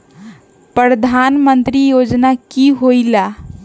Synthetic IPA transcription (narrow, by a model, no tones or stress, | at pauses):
pɾəɾəd̪ʱanmənt̪ɾijod͡ʒnakiɦojla